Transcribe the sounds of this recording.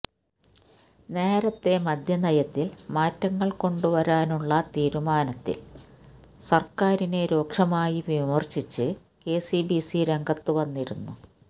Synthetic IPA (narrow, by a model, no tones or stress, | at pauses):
ne̞ːɾɐt̪ːe̞mɐd̪ʱjɐnɐjɐt̪ːilmaːtːɐŋːɐɭko̞ɳɖuʋɐɾaːnuɭːɐt̪iːɾumaːnɐt̪ːḭl | sɐrkaːɾine̞ɾo̞ːkʂɐmaːjiʋimɐrɕit͡ɕːɨ | ke̞ːsibisiɾe̞ŋɡɐt̪ːuʋɐnːiɾunːu